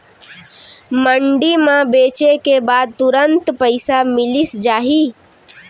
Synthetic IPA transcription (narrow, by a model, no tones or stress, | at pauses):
məɳɖimãbeːt͡ʃekebaːd̪̚t̪ʊɾənt̪pəɪsamɪlisd͡ʒaːɦi